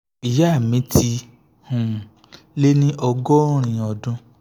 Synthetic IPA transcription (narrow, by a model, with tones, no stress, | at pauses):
i˨ja˦˨mĩ˨˦tʰi˧ | hũ˨ | le˦nĩ˦ʔɔ˧ɡɔ˦ɾ̃ĩ˧ɔ˧˨dũ˧